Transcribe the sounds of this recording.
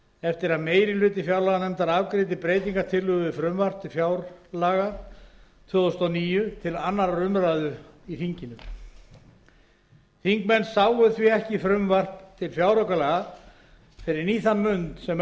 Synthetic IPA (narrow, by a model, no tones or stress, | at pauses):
ɛft̪ɪɾaðmeːjɾɪlʏːt̪ɪfjawɾlaɣanɛmt̪aɾavkɾɪːt̪̬ɪpɾeːjt̪̬iŋkaɾ̥t̪ʰɪlːʏɣɪfɾʏmvar̥p̚t̪ʰɪlfjawɾlaːɣa | t̪ʰvɔːðʏst̪ɔwniːjʏt̪ʰɪlanːaɾaɾʏmɾaːðʏiθiɲcɪnʏ | fiŋkmɛnsaːwʏθviɛhcɪfɾʏmvar̥p̚t̪ʰːɪlfjawɾowkalɛːɣa | fɪɾɪɾniːθanmʏnt̪sɛm